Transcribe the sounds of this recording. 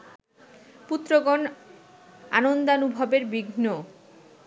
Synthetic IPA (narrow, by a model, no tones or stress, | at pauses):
put̪ːɾoɡon | a̰nond̪anubʱabeɾbiɡʱno